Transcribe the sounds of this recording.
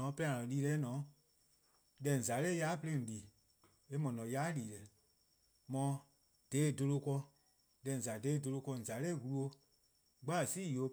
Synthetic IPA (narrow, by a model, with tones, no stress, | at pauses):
ɔ̃˨˦pɛ˦ã˨lɔ̃˨liː˧˦lɛ˧˦nɔ̃˨˦ | dɛ̃˨n̩˨za˨˦lɛ˦ja˦pe˧lẽ˦˨n̩˨liː˨ | e˦mɔ̃˨nɔ̃˨˦jaː˦liː˨lɛ˨ | mɔ̃˨˧˦ | d̥eː˨˦˨do˧lo˧kɔ˧ | dɛ̃˨n̩˨za˨de˨˦˨do˧lo˧kɔ˧˨n̩˨za˨˦lɛ˦˨wu˧lu˦o˧˦ | ɡ͡ba˦˨siː˦˨o˨˧˦